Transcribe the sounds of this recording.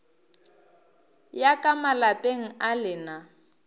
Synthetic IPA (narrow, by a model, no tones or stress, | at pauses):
jakʼamalapʼeŋ̩alɪna